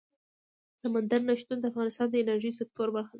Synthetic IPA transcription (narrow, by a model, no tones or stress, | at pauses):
samand̪aɾnaʃt̪und̪əafɣɑnɪst̪ɑnd̪əɪnaɾʒijs̬ɪk̚t̪oɾbaɾxad̪a